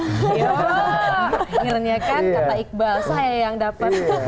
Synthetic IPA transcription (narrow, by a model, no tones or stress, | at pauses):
jo | ɾəniakankat̪aik̚balsajajaŋdapət̪